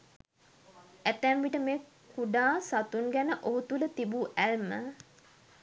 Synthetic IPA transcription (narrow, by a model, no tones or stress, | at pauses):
æt̪æmʋiʈəmeː | kʰuɖaːsat̪uŋɡænəʔoɦut̪ulət̪ibuʔælmə